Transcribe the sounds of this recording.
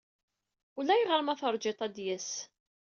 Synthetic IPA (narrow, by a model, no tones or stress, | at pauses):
ulæjʁəɾmæθəɾˤd͡ʒet̪ˤæd̪jæs